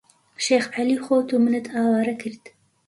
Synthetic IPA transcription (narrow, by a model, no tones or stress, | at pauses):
ʃeːxʕaliːxoːt̪umɨnɨt̪ʰɑːwɑːɾɐkʰɨɾd̪̥